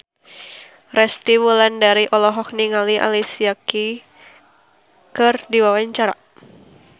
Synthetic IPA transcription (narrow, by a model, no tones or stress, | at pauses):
rɛst̪iwulandaɾiʔɔlɔɦɔk̚niŋaliʔa̰lisiaki | kɨrdiwawaɲt͡ʃaɾa